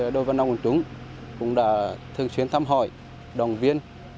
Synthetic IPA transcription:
ɗo˧˩vaː˨˩na˧ŋkə˨˩t͡ɕʊ˨˦ŋ͡m | kʊ̰˧˥ŋ͡mɗa̰ː˧˥t̪ʰɨ˨˩əŋt͡ɕswi˨˦ənt̪ʰaː˧mɦɔ̰˧˩j | ɗɔ˨˩ŋ͡mvi˧ən

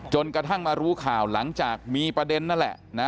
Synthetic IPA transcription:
t͡ɕo˧nkɾa˧t̪ʰa˥˩ŋmaː˧ɾuː˦˥kʰaː˨˩wla˩˦ŋt͡ɕaː˨˩k̚miː˧pɾa˧de˧nːa˥˩nlɛ̰˨˩ | na˦˥

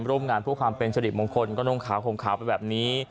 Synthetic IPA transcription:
ɾuː˥˩əmŋaː˧npʰuː˥˩əkʰwaː˧mpe˧nsʰa˧di˨˩t̚mo˧nkʰo˧nkɔː˥˩no˧˥˩ŋkʰaː˩˦wkʰo˨˩˦ŋkʰaː˩˦wpa˧jbɛː˨˩p̚niː˦˥

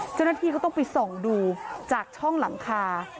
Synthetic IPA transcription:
t͡ɕa˥˩wna˧t̪ʰiː˧a˥˩t̪ɔ˥˩ŋpa˨˧jso˨˩ŋduː˧t͡ɕaː˨˩k̚t͡ɕʰɔ˥˩ŋla˩˦ŋkʰaː˧

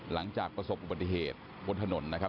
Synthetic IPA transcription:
la˩˦ŋt͡ɕaː˨˩k̚pɾa˧so˨˩p̚ʔu˨ba˨˩i˨˩ɦeː˨˩t̪̚ | bo˧nt̪ʰa˧no˩˦nːa˦˥kʰa˦˥

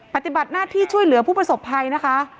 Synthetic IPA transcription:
pa˧˩t̪i˨˩ba˨˩t̪̚naː˥˩t̪ʰiː˥˩t͡ɕʰu˥˩əjlɯ˩˦ɐpʰuː˥˩pɾa˧so˨˩pʰːa˧jna˦˥kʰa˦˥ʔ

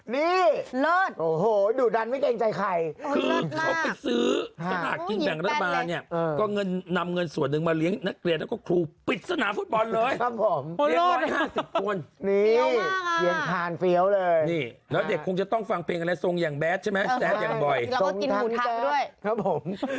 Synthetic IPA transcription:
niː˥˩lːʔoː˨˩hoː˨˩˦juː˨˩da˧nma˥˩jke˧ŋt͡ɕa˧jkʰa˧jkʰɯː˧a˨˧˦pi˨˧˩t̪̚sɯː˦˥a˧la̰ː˨˩t̪̚ki˧nbɛ˨˩ŋɾa˦t̪ːʰa˧baː˧nnːi˥˩əʔɤː˧kɔː˥˩ŋɤ˧nːa˧mŋɤ˧nsu˨˩ənːɯ˨˩ŋmaː˧li˦˥əŋna˦˥kli˧˩ənlːkɔː˥˩kʰɾuː˧pi˨˩t̪̚sa˧naː˩˦fu˨˦˩t̪̚bɔ˧nlɤː˧ja˦˥p̚ʰːo˨˩˦mli˦˥ɔː˦˥˧haː˥˩si˨˩p̚kʰu˧ənniː˧˥˩ki˧˩əŋt̪ʰaː˧˩nfi˦˥əwlɤː˧jniː˥˩lɛː˦˥wde˨˩kʰːo˧ŋt͡ɕa˨˩t̪ɔ˥˩ŋfa˧ŋpʰeː˧ŋʔa˧ɾa˧jso˧ŋjaː˨˩ŋbɛː˦˥t̪̚t͡ɕʰa˥˩mɛ˦˥sɛː˦˥t̪jaː˨˩ŋbɔ˨˩jkɔ˥˧ŋi˧n˧uː˨˩˦nː˦˧du˥˩əjkʰa˦˥pʰo˩˦m

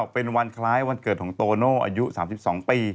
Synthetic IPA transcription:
pe˧nwa˧nkʰlaː˦˥jwa˧nkɤː˨˩t̪̚kʰːŋt̪oː˧noː˥˩ʔa̰ː˧ju˦˥ʔsaː˩˦msi˨˩p̚sɔː˩˦ŋpiː˧

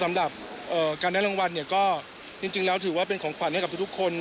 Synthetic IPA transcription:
sa˩˦mɾa˨˩p̚ʔɤː˨˩kaː˧ndaː˥˩lo˧ŋwa˧nːi˥˩ɐkɔː˥˩ | t͡ɕi˧ŋt͡ɕi˧ŋlɛː˦˥wt̪ʰɯː˩˦waː˥˩p̬e˧nkʰɔː˩˦ŋkʰwa˨˩nhka˨˩t̪ʰu˥t̪ʰu˥kʰːo˧n

